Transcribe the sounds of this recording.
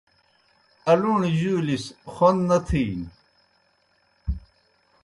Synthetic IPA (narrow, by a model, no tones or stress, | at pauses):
ɐluɳʑuːlisxonnɐt̪ʰiːn